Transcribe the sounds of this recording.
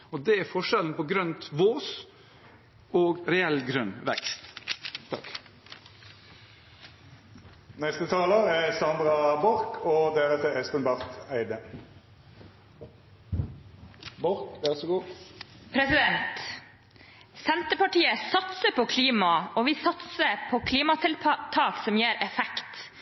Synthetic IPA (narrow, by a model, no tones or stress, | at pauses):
ɔd̪ɛæɾfɔʂɛlnpɔɡɾœnt̪ʋoːs | oːɡɾɛɛlɡɾœnʋɛ̰kst̪t̪ʰːɑ̰k | nɛst̪ət̪ʰɑːləæsɑnd̪ʁɑbɔɾkʰɔd̪æɾət̪ɛɛst̪ənbɑʁt̪æɪd̪ə | bɔɾkʋæʁsɔɡuːpʰɾɛsɪd̪ɛnt̪ | sɛnt̪əpɑʈiːəsɑt̪səpʰokʰliːmɑoːʋiːsɑt̪səpʰoːkʰliːmɑt̪ʰɪlt̪ʰɑːksɔmjeːɾɛfɛkt̪